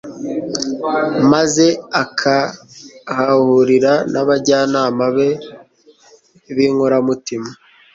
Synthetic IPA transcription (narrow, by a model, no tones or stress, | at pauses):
maze̞akʰa | hahuɾiɾanaβaɟaːnaːmaβe̞ | βiːŋhoɾamutima